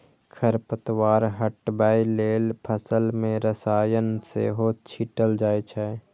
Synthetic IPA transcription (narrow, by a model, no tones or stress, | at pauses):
kʰəɾpət̪waːɾɦəʈbaːileːlpʰəsəlmẽɾəsaːjənsḛɦot͡ʃʰiʈəld͡ʒaːjt͡ʃʰɛː